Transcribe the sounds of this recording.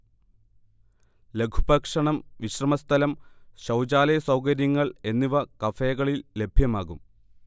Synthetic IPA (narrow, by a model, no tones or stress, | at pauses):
le̞kʰubɐkʂɐɳɐmʋiɕrɐmɐst̪ʰɐlɐmɕɐwd͡ʑaːlɐjɐsɐwkɐɾjɐŋːɐɭe̞nːiʋɐkɐfeːɣɐɭilːe̞bʱjɐmaːɣum